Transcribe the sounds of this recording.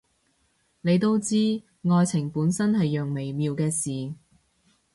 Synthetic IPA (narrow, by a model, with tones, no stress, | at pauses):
ne˨˧jt̪o˥wt͡siː˥ | ŋɔː˧jt͡sʰɪ˨˩ŋpuː˨˥nsɐ˥nhɐ˨jːœː˨ŋme˨˩jmiː˨˧wkɛː˧siː˨˩